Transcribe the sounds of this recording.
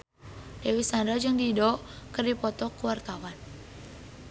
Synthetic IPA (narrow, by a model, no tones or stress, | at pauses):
d̥ewisandad͡ʒɨŋdidɔʔkərdipɔt̪ɔkuwart̪awan